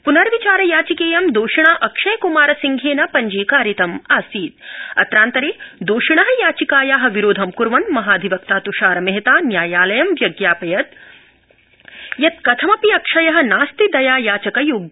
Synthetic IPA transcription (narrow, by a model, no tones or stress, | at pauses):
punɐɾʋit͡ʃaːɾɐjaːt͡ʃikeːjɐmd̪oːʃiɳaːʔɐkʂɐjkumaːɾɐsiŋɡʱeːnɐpɐɲd͡ʒiːkaːɾjit̪ɐmaːsiːd̪̚ɐ̰t̪ɾaːnt̪ɐɾeːd̪oːʃiɳɐɦɐjaːt͡ʃikaːjaːɦɐ̆ʋiɾoːd̪ʱɐmkuɾʋɐnmɐɦaːd̪ʱiʋɐk̚t̪aːt̪uʃaːɾɐmeɦɐt̪aːnjaːjaːlɐjɐmʋjɐɡjaːpɐjɐt̪̚ | jɐt̪̚kɐt̪ʰɐmɐpiɐkʂɐjɐɦɐ̆naːst̪id̪ɐjaːjaːt͡ʃɐkɐjuːɡ